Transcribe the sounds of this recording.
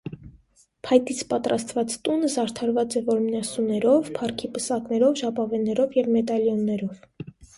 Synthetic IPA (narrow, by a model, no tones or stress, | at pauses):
pʰɑjt̪it͡sʰpɑt̪ɾɑst̪vɑt͡st̪unəzɑɾt̪ʰɑɾvɑt͡sɛvɔɾmnɑsunɛɾɔvpʰɑrkʰipəsɑknɛɾɔvʒɑpɑvɛnːɛɾɔvjɛvmɛt̪ɑljɔnːɛɾɔv